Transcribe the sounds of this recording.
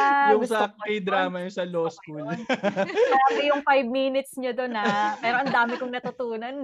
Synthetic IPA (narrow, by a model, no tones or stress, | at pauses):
jʊŋsɐkejd̪ɾaːmɐjʊŋsɐloːskul | soʔɐbɪjʊŋfajb̚miːnɪt̪sɲod̪onapɛːɾoʔɐnd̪aːmɪkʊŋnɐt̪ʊt̪uːnɐn